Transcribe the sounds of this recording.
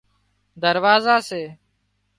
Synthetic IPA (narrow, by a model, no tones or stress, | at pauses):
d̪əɾʋaːzaːseː